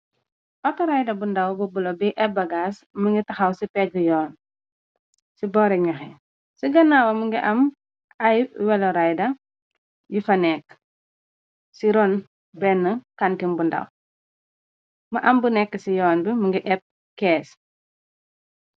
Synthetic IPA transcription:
ʔɔtɔɾajdɐbundɐwbubulɔbiʔɛp̚bɐɡaːsmɐŋɡitɐxɐwsipɛt̚bujɔːn | sibɔɾɛɲɔxɛ | siɡɐnaːwɐməŋɡiʔɐm | ɐjwɛlɔɾajdɐ | jufɐnɛkː | siɾɔn | bɛnːəkantimbundɐ̰w | mɐʔɐmbunɛkːəsijɔːnbimɐŋɡiʔɛp̚ | kɛːs

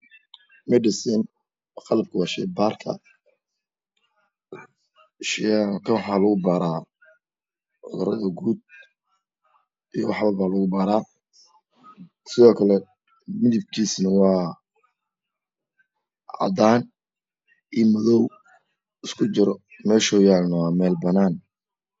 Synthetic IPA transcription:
mɛɖɪsɛn | xɑlɐb̚kʰʊwɑːʃɛjbaːrkʰɐ̰ | ʃkʰɐwɑħaːlɐɣʊbaːɾaː | ʕʊ̰ðʊɾɐðɐɡuːd̪̚ | ijɔwɑħβɐbaːlɐɣʊbaːɾaː | sɪðɔːkʰɐlɛ | mɪðɪb̚kʰiːsnɐwɑː | ʕɑ̰d̪aːn | ʔiːmɐðɔw | ɪskʰʊt͡ʃɪɾɔ | mɛːlʃɔjaːlnɐwaːmɛːlbɐnaːn

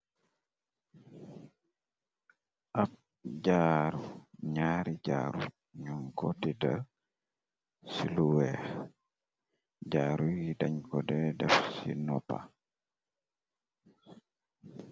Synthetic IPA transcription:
ʔap̚ | d͡ʒaɾuɲaːɾiɟa̰ːɾu | ɲuŋkɔtida | siluwɛ | ɟaːɾujidaɲkɔdɛdɛfsḭnɔpa̰

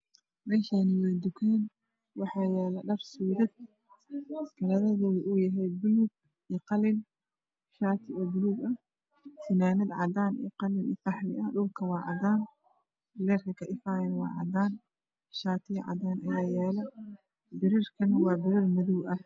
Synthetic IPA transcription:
mɛːʃanɪwɛːd̪ʊkʰɛːn | wɑħɑːjɛːlɐɖɐrsuːðɐd̪̚ | kʰɐlɐðɐðɔːwɪʔuːjɐɦɛjbʊluːɡ̚ | iːqɑlɪn | ʃaːt̪ʰɪɔːbʊluːɡɐ | sɪnaːnɐd̪ʕɑ̰d̪aːnḭːqɑlɪnḭːqɑħlɪʔɐɖʊlkʰɐwɑːʕɑ̰d̪aːn | lɛːrkʰɐkʰɐʔɪfaːjɐnwɑ̰ːʕɑ̰d̪aːn | ʃaːt̪ʰɪjʕɑ̰d̪aːnʔɐjaːjɛːlɐ | bɪɾɪrkʰɐnɐwɑːbɪɾɪrmɐðuwʔɐ

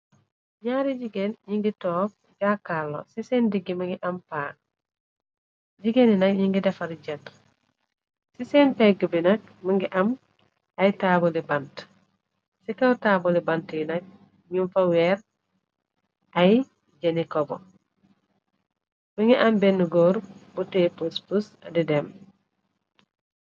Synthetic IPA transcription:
ɲaːɾiɟiɡenɲiŋɡitoːk̚ | d͡ʒaːkalːo̰sisendiɡːimaŋɡiʔampaːk̚ | ɟiɡeninakɲiŋɡidɐfaɾiɟɐt | sisenpeɡubinɐk̚miŋɡiʔam | ajtaːbolibant | sikawtaːbolibantinɐk̚ | ɲuɱfaweɾ | aj | ɟenikobo | miŋɡiʔɐmbenːuɡoːɾbutepuspus | didem

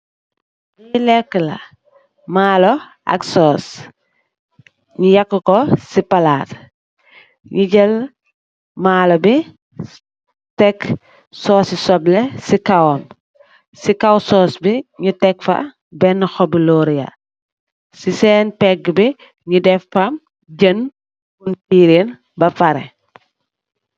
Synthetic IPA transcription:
ɲilɛkːəlɐ̰ | maːlɔ | a̰ksɔːs | ɲijɐkːəkɔsipɐlaːt | ɲiɟəl | maːlobi | tɛk | sɔːsisɔblɛsikawɔm | sikawsɔːsbiɲitɛkfɐ̰ | bɛnːəxɔbilɔːɾija̰ | sisɛːnpɛɡbi | ɲidɛfːɐm | ɟən | untiːɾen | bɐfɐɾɛ̰

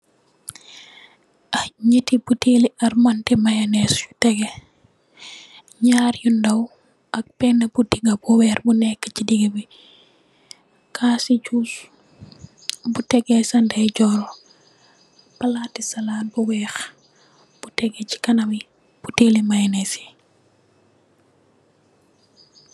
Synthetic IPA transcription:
ʔɐɲitibuteliɐrmɐntɛmajɐnɛsju̥tɛɡɛ | ɲaːɾjundɐw | ʔɐk̚pɛnːɐbudiɡɐbuwɛːrbunɛkːə̥t͡ʃidiɡɐbi | kʰaːsit͡ʃus | butɛɡɛsɐndɐjd͡ʒɔɾɔ | pɐlatisɐlaːt̚buwɛːx | b̥utɛɡɛci̥kɐnɐmi | b̥utelimajɐnɛsi̥

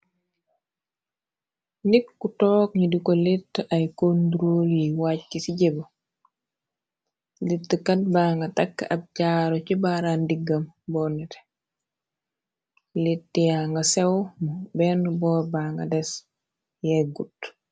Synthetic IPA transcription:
ndikːutɔːkɲidikolitːʔajkonduɾoljiwac̚kisiɟebo | litːəkat̚baːŋɡɐtakːab̚caːɾocibaɾandiɡːɐmbɔːnite̥ | litːijaŋɡasewmubɛnubɔːɾbaːŋɡa̰dɛs | jeɡut

